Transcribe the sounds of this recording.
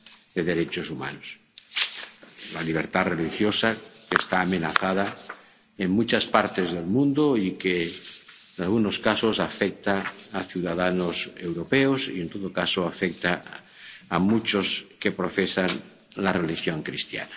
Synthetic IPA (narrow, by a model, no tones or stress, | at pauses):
d̪̥eðe̞ɾe̞t͡ʃosuma̰nos | laliβ̞eɾt̪arelixjosakest̪aːmẽnaθað̞a | eŋmut͡ʃaspaɾt̪ezðe̞lmũnd̪oike | enalɣunoskaso̞safek̚t̪aːθjuwðaðanose̞wɾopeosḭent̪oðokasoafek̚t̪aː | mut͡ʃoske̞pɾofesan | larelixjoŋkɾist̪ja̰na